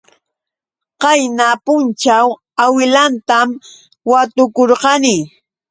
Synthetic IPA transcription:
qɑjnapʊnt͡ʃaw | awɪlant̪am | wat̪ʊkoɾqɑnɪ

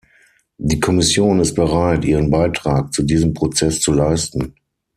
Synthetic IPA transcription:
diːkʰɔmɪsjoːnɪst̚b̥əʁaɪtʔiːʁənbaɪtʁ̥aːk̚t͡sudiːzəmpʁ̥ot͡sɛst͡sulaɪstn̩

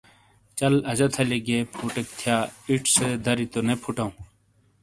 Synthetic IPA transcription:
t͡ɕɐlɐzɐt̪ʰɐleɡepʰuʈekt̪ʰjaːpiʈʰsed̪ʱɐɾit̪onepʰuʈɐũː

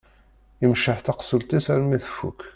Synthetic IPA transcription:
imʃəħt̪aqsult̪isæɾmiθfṵk

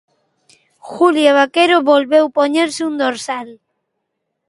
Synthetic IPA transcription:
xuljaβakeɾoβolβewpoɲeɾsɪund̪oɾsal

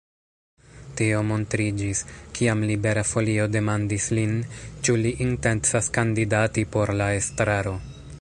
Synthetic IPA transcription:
tio̞mo̞ntɾid͡ʒiskʰiamlibe̞ɾafo̞lio̞de̞mandislint͡ʃuliʔinte̞nsaskandidatipo̞ɾlae̞stɾaɾo̞

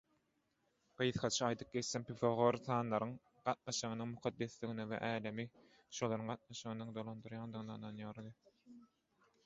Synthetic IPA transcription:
ɢ̥ɯjθχɑt͡ʃʰɯɑjd̪ɯp̚ɡet͡ʃsenpʰifoʁo̞ɾθɑːnlˠɑɾɯŋ | ɢ̥ɑt̪̚nɑʃɯʁɯnɯŋmuqʰɑd̪ːe̞θliɣinevḛʔæːlemi | ʃolˠoɾɯŋɢɑt̪̚nɑʃɯʁɯnɯŋd̪o̞lˠond̪uɾjɑːnd̪ɯɣɯnɯɯnɑnjɑːɾd̪ɯ

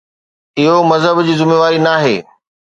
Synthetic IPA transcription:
ɪɦomɐzɦəbd͡ʑiːzɪmeːʋaːɾinaːɦḛː

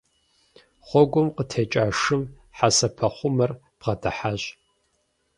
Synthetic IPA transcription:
χʷɔɡʷʼʊmqətʰeːt͡ʃʼaːʂɨm | ħasɐpʰɐχʷʊmɐr | b̥ʁɐdʰɐħaɕʼ

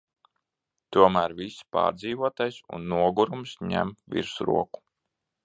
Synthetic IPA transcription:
t̪uɔmæːɾvispɑ̰ːɾd̪ziːvuɔt̪ajsṵnːuɔɡuɾumsɲæ̰mvḭɾsɾṵɔku̥

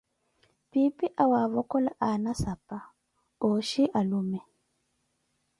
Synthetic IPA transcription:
pipiʔawavɔkɔlaʔanasapa | oʃiʔalumɛ

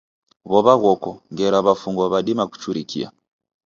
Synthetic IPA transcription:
βɔβaɣɔkɔŋɡɛɾaβafuŋɡɔβaɗimaku̥t͡ʃuɾikʰḭa̰

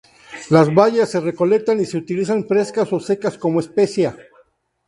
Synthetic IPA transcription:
lazβaʝasːe̞re̞ko̞le̞k̚t̪anise̞ut̪ilisaɱfɾe̞skaso̞se̞kasko̞moespe̞sja

